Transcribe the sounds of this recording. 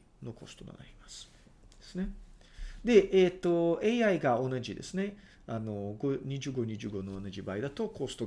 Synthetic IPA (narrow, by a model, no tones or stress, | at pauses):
no̞ko̞sɨ̥t̪o̞̰no̰na̰ɾʲimasɨ̥ | d̪̥esɨne̞ | d̪e̞ʔeːt̪ːo̞eiaiɡao̞naʑid̪e̞̰sɨne̞ | ano̞ɡoɲ̟iʑɨːɡo̞ɲ̟iʑɨːɡonoːnaʑibaːid̪at̪o̞ko̞sɨ̥t̪o